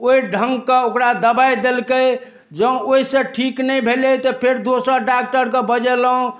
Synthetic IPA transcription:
oiɖʱəŋɡkeokɾad̪əbajd̪elkə | d͡ʒəũoisẽʈʰiknəjbʱelet̪ɔpʰeɾd̪osəɾɖak̚ʈəɾkebəd͡ʒɛlɦõ

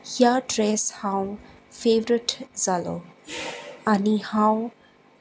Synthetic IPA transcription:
hjaɖɾɛshãw̃ | feːʋəɾəʈzalo | anihãw̃

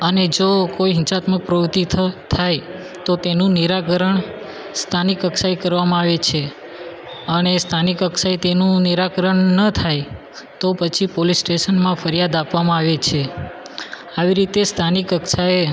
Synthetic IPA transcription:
əned͡ʒokoiɦɪ̃nt͡ʃat̪mək̚pɾəʋt̪it̪ʰt̪ʰaj | t̪ot̪enũniɾakəɾəɳ | st̪ʰanikəksajkəɾʋamãaʋet͡ʃʰe | ənest̪ʰanikəksajt̪enũniɾakəɾəɳnət̪ʰaj | t̪opət͡ʃʰipolisːʈeʃənmãfəɾjad̪apʋamãaʋet͡ʃʰe | aʋiɾit̪est̪ʰanikəksae

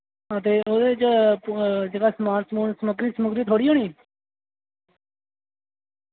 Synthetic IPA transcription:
ət̪̬eːʔoːd̪eːt͡ʃ | d͡ʒeːɡaːsmaːnsmsməɡɾiːsəmʊkd̪iːt̪ʰoːɽiːɦoːɳiː

